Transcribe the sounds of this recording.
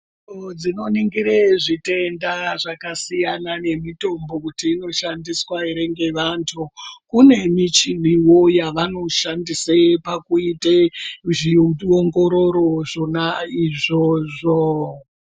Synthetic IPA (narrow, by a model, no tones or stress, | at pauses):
d͡zino̞niŋɡiɾeʐite̞ndaʐakasijanane̞mito̞mbo̞kutiːno̞ʃandiswaiɾe̞ŋɡe̞ʋantʰukune̞mit͡ʃiliwo̞jaʋano̞ʃandisepakuiteʐioŋɡo̞ɾo̞ɾo̞ʐonaiʐo̞ːʐo